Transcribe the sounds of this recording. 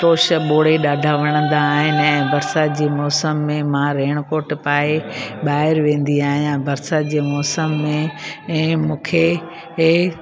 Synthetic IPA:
t̪oːʃəɓoːɽ̤eɗaːɖʱaʋɐɽ̃ə̃nd̪aːɦɪnɪ̆ɛ̃ːbɐɾsad͡ʑeːmɔːsəmːẽmãɾeːɽ̃koːɾʈpaːeɓaːɦɪɾʋẽːn̆d̪iaːɦijãbɐɾsad͡ʑeːmɔːsəmːẽɛ̃ːmũːkʰe

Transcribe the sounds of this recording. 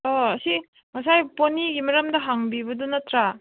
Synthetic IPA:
ɔɐsi | mɐsajponiɡimɐɾɐmdɐɦaŋbibɐdunɐtɾa

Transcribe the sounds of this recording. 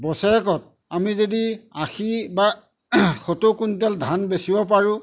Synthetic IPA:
bɔsɛɛkɔt̚ | amizodiaxiba | xotokuntɛldʱanbesibɔpaɹʊ̃

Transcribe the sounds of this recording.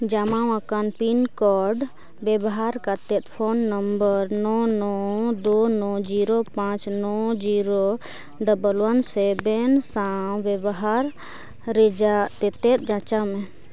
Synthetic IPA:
d͡ʒamaw̃akanpinkɔɾɖ | bɛbɔɦaɾkat̪ɛt̪̚pʰonːəmbəɾnɔnɔd̪onɔd͡ʒiɾopãt͡ʃnɔd͡ʒiɾo | ɖəbəlwənsɛbɛnsabɛbɔɦaɾ | ɾɛd͡ʒat̪ɛt̪ɛt̪̚d͡ʒãt͡ʃamɛ̃

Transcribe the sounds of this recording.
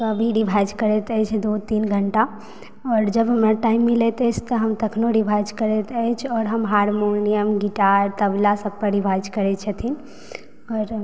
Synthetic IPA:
t̪oəbʱiɾibʱajd͡ʒkəɾɛt̪əɦt͡ʃʰd̪ot̪iːnɡʱəɳʈa | ɔːɾd͡ʒəbɦəmɾaʈaːimːilɛt̪ɛt͡ʃʰt̪əɦəmt̪əkʰnoɖibʱajd͡ʒkəɾɛt̪ɛt͡ʃʰɔːɾɦəmɦaɾmonijəmɡiʈaɾt̪əblasəb̚pəɖibʱajd͡ʒkəɾɛt͡ʃʰət̪ʰin | ɔːɾ

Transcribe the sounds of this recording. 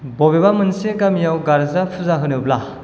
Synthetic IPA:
bɔbebamɯnseɡamijawɡaɾzapʰuzaɦɯnɯbla

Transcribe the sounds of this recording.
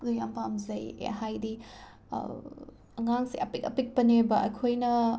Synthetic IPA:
lujampamzɐjḛɦajdi | ɐŋaŋseʔɐpikɐpik̚pɐnebɐʔɐjkʰojnɐ

